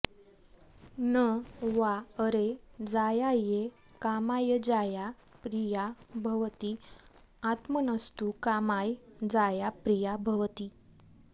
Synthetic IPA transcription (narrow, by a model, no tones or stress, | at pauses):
nəʋaəɾed͡zajaje | kamajəd͡zaja | pɾijabʱəʋt̪iː | at̪mənəst̪ukamajd͡zajapɾijabʱəʋt̪iː